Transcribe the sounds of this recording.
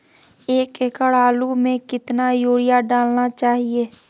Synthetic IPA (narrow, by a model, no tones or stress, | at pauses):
eːkekəɽaːlumẽkɪt̪najoːɽijaɖaːlnat͡ʃaːɦieː